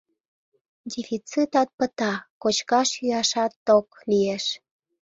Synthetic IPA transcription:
d̪ʲifit͡sit̪ɑt̪̚pət̪ɑkot͡ɕkɑʃjyɑʃɑt̪ːoklieʃ

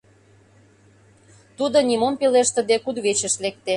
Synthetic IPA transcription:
t̪ud̪ŏnʲimompeleʃt̪ə̆d̪ekud̪ɣet͡ɕə̆ʃlek̚t̪e

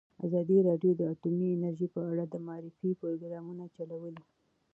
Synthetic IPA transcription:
azɑd̪iɾɑɖjod̪əatumiɪnaɾʒipəaɽad̪əmaɑɾɪfipoɾoɡɾɑmunat͡ʃalawəli

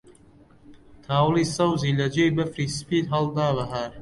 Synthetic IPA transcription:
t̪ʰaːwlisɐwziːlɐd͡ʒejbɐfɾiːspiːt̪ɦɐld̪aːbɐɦaɾ

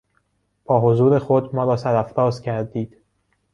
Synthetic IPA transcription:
b̥ɒːɦozuːɾe̞xod̪mɒːɾɒːsæɾæfɾɒːzcʰæɾd̪iːd̪̥

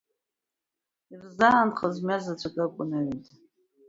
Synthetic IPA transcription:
irzaːnχəzmʲazat͡ɕʷʰakʼakʷʼʊnaɥetʼ

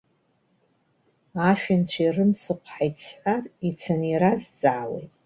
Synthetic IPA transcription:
aʃᶣɪnt͡ɕʷʰairɨmsɨqʷʰħajt͡sʰħʷarʼit͡sʰanirazt͡sʼaːwḛjtʼ

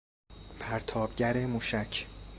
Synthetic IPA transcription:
pʰæɾt̪ʰɒːb̚ɟæɾemuːʃæcʰ

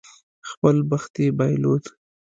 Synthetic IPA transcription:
xpəlbəxt̪ebɑjlod̪

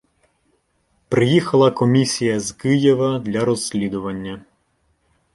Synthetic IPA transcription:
pɾɪjixɐlˠɐkɔmʲisʲijɐzkɪjeʋɐd̪lʲɐɾɔsʲlʲid̪ʊʋɐnʲːɐ

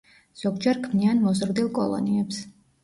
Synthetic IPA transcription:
z̥ɔɡd͡ʒɛɾkʰmnianmɔzɾd̪ilˠkʼɔ̰lˠɔ̰niɛps

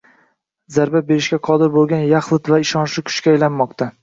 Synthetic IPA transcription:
zaɾbabe̞ɾɪʃkʲaqʰɒd̪ɪɾbolˠɡʲanjaχlˠɪt̪vaɪʃɒnʃlɪkʰʊ̥ʃkʲaːjlanmɒqt̪ʰa

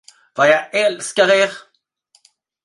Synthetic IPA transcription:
vajaɡɛlskaɾeːɾ

